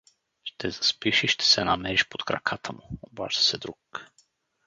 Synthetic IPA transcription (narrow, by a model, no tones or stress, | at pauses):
ʃt̪ʰɛzɐspiʃiʃt̪ʰɛ̥sɛnɐmɛɾiʃpot̪kɾɐ̰kʰat̪ʰəmʊoba̰ʒd̪ə̥sɛd̪ɾuk